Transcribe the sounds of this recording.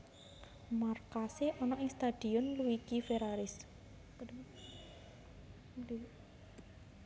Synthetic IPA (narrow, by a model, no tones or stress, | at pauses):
markaseʔɔnɔʔɪŋst̪ad̪̥i̤ɔnluikifeɾaɾɪs